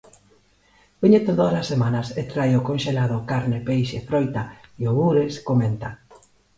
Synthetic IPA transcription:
b̥iɲet̪oðasasːemanɐset̪ɾajʊkonʃelað̞okaɾnɪpejʃefɾojt̪aioβuɾeskoment̪a

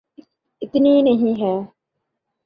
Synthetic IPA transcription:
ɪt̪niːneɦĩːɦæː

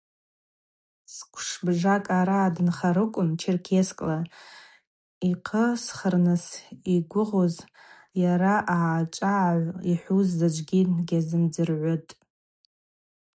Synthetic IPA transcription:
skʷʰʂbʐakʼaɾaːdɨnχaɾɨkʷʼʊnt͡ʃʰirkʲʰeskʼla | iqʰəsχərnɨsiɡʷʊʁoz | jaɾaʔaʕːt͡ʃʼaʕaʕʷiħʷuzzad͡ʒʷʼɡʲinɡʲazɨmd͡zɨrʕʷʊtʼ

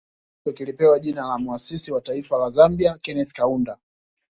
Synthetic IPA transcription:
ɔkilipɛwaʄinalamuasisiwataifalazambiakɛnɛθkaunda

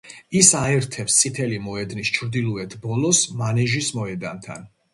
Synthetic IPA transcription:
isaɛɾt̪ʰɛpst̪sʼit̪ʰɛlimɔɛd̪nist͡ʃʰɾd̪ilˠuɛt̪ʰbɔlɔsmanɛʒismɔɛd̪ant̪ʰa̰n

